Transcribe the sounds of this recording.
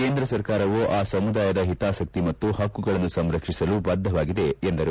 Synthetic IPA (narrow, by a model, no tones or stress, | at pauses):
keːnd̪ɾɐsɐɾkaːɾɐʋoʔaːsɐmud̪aːjɐd̪ɐɦit̪aːsɐk̚t̪imɐt̪ːuɦɐkːuɡɐɭɐnːusɐmɾɐkʂisɐlubɐd̪ʱːɐʋaːɡid̪e̞ːnd̪ɐɾu